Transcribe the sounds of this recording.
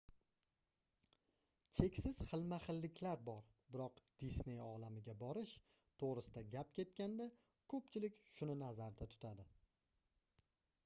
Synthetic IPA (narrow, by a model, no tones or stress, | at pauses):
t͡ʃʰe̞kʲsɪz̥χɨlˠmaχɪlːɪkʲʰlaɾbɒɾ | bɪɾɒqd̪̥isne̞jɒlamɪɡʲabɒɾɪʃ | t̪ʰoʁɾɪsɪd̪aɡʲap̚kʲʰe̞t̪̚kʲand̪a | kʰɵpt͡ʃʰɪlɪkʲʃʊnɪnazaɾd̪at̪ʰʊ̥t̪ʰad̪ɪ